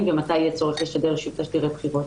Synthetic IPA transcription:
mvemat̪ajet͡soʁeχiʃad̪eʁʃuvtaʃd̪iʁebχiʁot̪

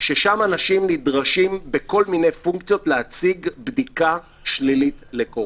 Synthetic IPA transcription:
ʃeʃamanaʃimnidʁaʃimbeko̞lmine̞jfuŋkt͡sjo̞tleat͡siɡbdika | ʃlilitleko

